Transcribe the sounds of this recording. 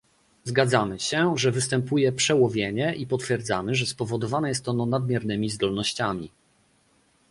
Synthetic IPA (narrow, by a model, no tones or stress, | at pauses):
zɡad̪zamɘɕɛʐɛvɘst̪ɛmpujɛpʂɛwɔvʲjeɲɛʔipɔt̪fʲjɛɾd̪za̰mɘʐɛspɔvɔd̪ɔvanɛjɛst̪ɔnɔnad̪̚mʲjɛɾnɘmʲizd̪ɔlnɔɕt͡ɕamʲḭ